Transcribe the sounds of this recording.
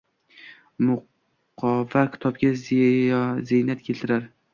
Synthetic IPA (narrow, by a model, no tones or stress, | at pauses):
mʊ | qʰɒvakʲʰɪ̥t̪ʰɒbɡʲaz | zejnat̪kʲʰe̞lt̪ʰɪɾaɾ